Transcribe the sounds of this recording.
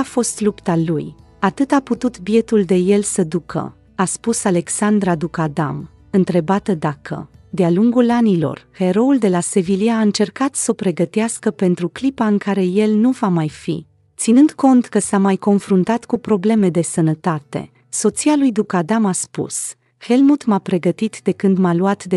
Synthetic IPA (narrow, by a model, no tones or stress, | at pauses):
afo̞st̪lupt̪aluj | at̪ɨt̪aput̪ut̪bie̞t̪uld̪e̞je̞lsəd̪ukʰə̰ | aspusale̞ksand̪ɾad̪ukad̪am | ɨnt̪ɾe̞bat̪əd̪akʰə̰d̪ealuŋɡulanilo̞̰rhe̞ɾo̞uld̪e̞lase̞viliaːɨnt͡ʃe̞rkat̪səopɾe̞ɡət̪easkəpe̞nt̪ɾuklipaɨŋkaɾe̞je̞lnuvamajfḭ | t̪sinɨnd̪ko̞nt̪kəsamajko̞nfɾunt̪at̪kupɾo̞ble̞me̞d̪e̞sənət̪at̪e̞̰ | so̞t̪sialujd̪ukad̪amaspṵs | he̞lmut̪mapɾe̞ɡət̪it̪d̪e̞kɨnd̪maluat̪d̪e